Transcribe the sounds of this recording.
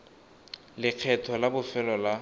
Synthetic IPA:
lɪq͡χʰɛtʰɔlabʊfɛlɔla

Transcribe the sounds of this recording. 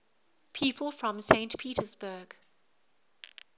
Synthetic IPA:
pʰiːˑpʰəlˠfɹə̃msẽɪ̃ntpʰiːˑtəzbəːɡ̥

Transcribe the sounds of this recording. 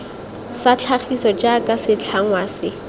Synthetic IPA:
sat͡ɬʰaχisɔd͡ʒakʼasɪt͡ɬʰaŋ̩wasɪ

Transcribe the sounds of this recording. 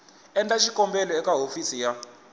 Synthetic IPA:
ɛntʼaʃikʼɔmbɛlɔɛkaɦofisija

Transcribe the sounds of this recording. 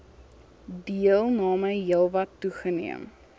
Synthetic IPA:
diəlˠnɑːməjjiəlˠvɐtːuχənḭəm

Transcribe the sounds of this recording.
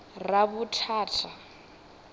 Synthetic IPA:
raβutʰaːtʰa

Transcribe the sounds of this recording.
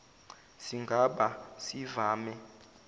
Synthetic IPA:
siŋɡʱaɓasivaːmɛ

